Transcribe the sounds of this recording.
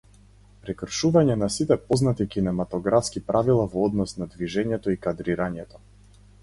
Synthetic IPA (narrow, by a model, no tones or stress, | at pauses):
pɾɛkr̩ʃuvaɲɛnasit̪ɛpɔznat̪ikinɛmat̪ɔɡɾafskipɾʔavilˠavɔɔd̪nɔsnad̪viʒɛɲɛt̪ɔikad̪ɾiɾaɲɛt̪ɔ